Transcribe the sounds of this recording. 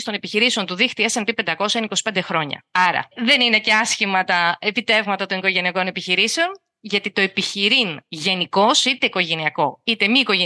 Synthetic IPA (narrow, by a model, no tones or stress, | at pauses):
st̪one̞piçiɾiseo̞nt̪uðixt̪iesenpipe̞nd̪ɐko̞sɐiniko̞si̥pend̪e̞xɾo̞ɲɐ̰ɐɾɐ̰ðe̞nine̞ceɐsçimɐt̪ɐepit̪e̞vmɐt̪ɐt̪o̞niko̞ʝe̞niɐko̞nepiçiɾise̞o̞n | ʝɐt̪it̪o̞e̞piçiɾinʝe̞niko̞sit̪e̞iko̞ʝe̞niɐko̞it̪emiːko̞ʝe